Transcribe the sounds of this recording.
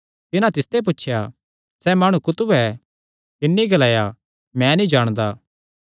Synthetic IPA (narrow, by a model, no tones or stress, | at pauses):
t̪ɪnãt̪ɪst̪ep̬ʊtːʃʰja | sɛmɐɽ̃ukʊt̪ʊbɛ | k̪ɪnːiɡɐlaːja | mɛ̃nĩd͡ʒaːɽ̃d̪aː